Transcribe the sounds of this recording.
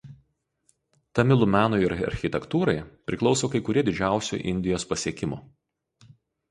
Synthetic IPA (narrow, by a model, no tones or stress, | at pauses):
t̪ɐmʲɪlˠʊmʲæːnʊɪɪɾɐ̰ɾʲxʲɪt̪ʲɛkt̪uːɾɐɪpʲɾʲɪklˠɒʊsoːkɐɪkʊɾʲiɛd̪ʲɪd͡ʒʲæˑʊsʲṵːˑʔɪ̰nʲd̪ʲɪjoːspɐsʲiɛkʲɪmʊ